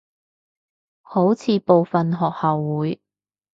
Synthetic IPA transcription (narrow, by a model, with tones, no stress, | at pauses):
ho˨˥wt͡sʰiː˨˧po˨˧wfɐ˨nɦɔː˨k̚hɐ˨wːuː˨˥j